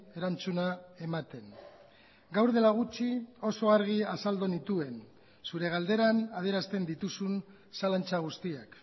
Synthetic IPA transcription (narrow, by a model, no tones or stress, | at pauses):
e̞ɾant͡sunae̞mat̪e̞n | ɡawɾðe̞laɣ̞ut͡ʃio̞so̞aɾɣ̞iasald̪onit̪ue̞n | suɾe̞ɣ̞ald̪e̞ɾanað̞ie̞ɾast̪e̞nd̪it̪usun | salant͡saɣ̞ust̪iak